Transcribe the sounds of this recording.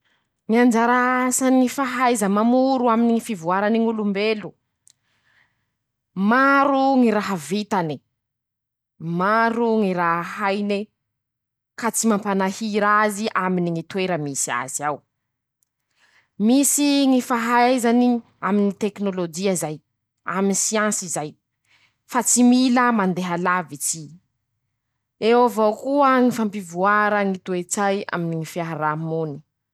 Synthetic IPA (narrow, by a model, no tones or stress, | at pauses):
ŋiand͡ʒaɾasanifaɦajzəmamuɾuaminiŋifivuaɾaniŋulumbelu | maɾuŋiɾaɦavit̪ani | maɾuŋiɾaɦhajne | kat͡simampanahiɾaziʔaminiŋit̪weɾəmisia̰ziaw | misiŋifaɦazani | aminit̪eknolod͡ʒiazaj | aminisiãnsizaj | fat͡similəmand̪eɦalavit͡si | ewavowkuəŋifampivuaɾəŋit̪uet͡saja̰miniŋifiaɦaɾamoni̥